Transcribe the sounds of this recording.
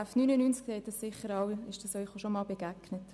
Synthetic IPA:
æfnyːnənynskseɪt̚dɑssɪχəɾɑwɪʃd̥ɑsœʏχoʃomɑːlbeɡ̥æɡ̥nət

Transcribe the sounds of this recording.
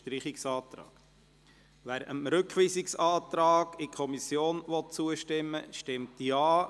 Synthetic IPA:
tɾiχɪksɑːtɾɑ̰ːɡ̥ | ʋæːɾəmɾɵkχʋiːsɪksɑːt̪ɾɑːɡ̥ɪkʰɔmisjoːnʋɔt̚t͡suəʃtɪmːəʃtɪmtiɑː

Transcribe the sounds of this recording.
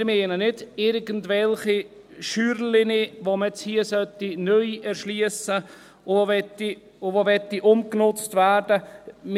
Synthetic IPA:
ɾmɛːnənɪdɪɾɡəndvɛlχi | ʃyːɾlɪniʋomɛt͡shiəsœtinœjɛɾʃliəsə | ɛti | ʊvovɛtːiʔʊmknʊt͡stvæːɾd̥əm

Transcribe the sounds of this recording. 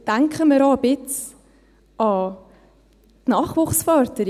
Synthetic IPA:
d̥aŋkχəməɾɑːbɪt͡s | ɑ | tnɑːχʋuːχsfœːɾtəɾ

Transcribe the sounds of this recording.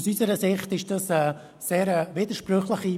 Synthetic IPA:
sysəɾəsɪχtɪʃd̥ɑsɛ | seːɾəvidəɾʃprøχləχi

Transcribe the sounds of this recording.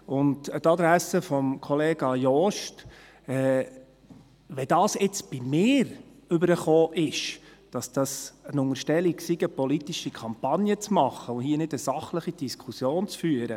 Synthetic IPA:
ʊnttɑd̥̪ɾæsəfɔmkʰɔleːɡ̥ɑjɔʃt | ɛː | ʋɛdɑːsɪt͡sb̥imɪːɾ | ʏbəɾəχoːʔɪʃd̥ɑsd̥ɑsənʊŋəɾʃtɛliksiɡəpɔlit̪iʃikʰɑmpɑnjət͡smɑχəʊhiənɪdəsɑχləχid̥iskʰusjoːnt͡sfyːəɾə

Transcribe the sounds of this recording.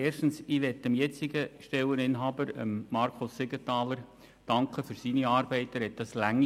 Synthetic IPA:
eːrʃtn̩siʋɛtːəmjɛt͡siɡəʃtɛwənɪnɦɑːbəɾə̰mːɑɾkʰʊsːɪɡətɑːləɾ | d̥ɑŋkχəfyɾsiniɑːɾb̥ɛɪtæɾhɛt̚d̥ɑslæŋːi

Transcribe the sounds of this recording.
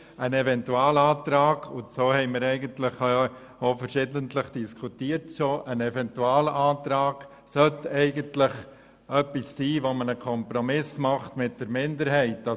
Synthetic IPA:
ʔənɛvɛntuɑːləɑːt̪ɾɑːɡ̥ʊnsoːhɛɪməɾɛɪɡəntlɪχ | ofəɾʃɪdəntləχd̥iskʰutiəɾtʃoːʔənɛvɛntuɑːləʔɑːtɾɑːɡ̥ | sœtɛɪɡəntlɪχ | œpisːiːʋomənəkʰɔmpɾɔmɪsmɑχtmɪt̚d̥əɾmɪndəɾɦɛɪtɑ

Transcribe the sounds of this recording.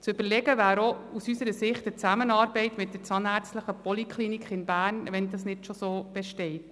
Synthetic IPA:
t͡sʏb̥əlɛɡəvæːɾousysəɾəsɪχtət͡sæmənɑːɾbɛɪtmɪt̚dəɾt͡sɑnæɾt͡stləχəpɔlikʰlinikʰχɪnbæːrnʋɛndɑsnɪdʃosoːb̥ɛʃtɛɪt

